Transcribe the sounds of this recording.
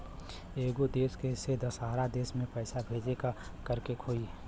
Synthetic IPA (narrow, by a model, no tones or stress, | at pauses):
eːɡod̪eːskesed̪əsaːɾad̪eːsmẽpəɪsabʱeːd͡ʒekakəɾkekʰoːi